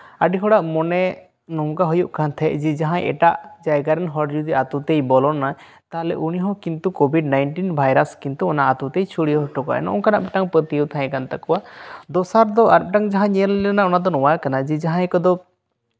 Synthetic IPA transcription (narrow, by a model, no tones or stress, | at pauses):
aɖiɦɔɽaʔmɔnɛ | nɔmkaɦujuʔkʰant̪ʰɛʔd͡ʒɛd͡ʒaɦãjɛ̰ʈaʔd͡ʒajɡaɾɛnɦɔɽd͡ʒud̪iat̪ut̪ejbɔlɔna | t̪alɛ̰ʔuniɦɔ̃kint̪ukɔbʱiɖnajnʈinbʱajɾaskint̪uɔnaʔat̪ut̪ejt͡ʃʰuɽiɦɔʈɔkɔa̰ʔɛ̰na̰ɔŋkanaʔbiʈaŋpət̪iəwt̪ʰãjɛ̃kant̪akɔwad̪ɔsaɾd̪ɔʔaɾp̚ʈaŋd͡ʒaɦãɲɛəlːɛnaɔnad̪ɔnɔwakanad͡ʒɛd͡ʒaɦãjkɔd̪ɔ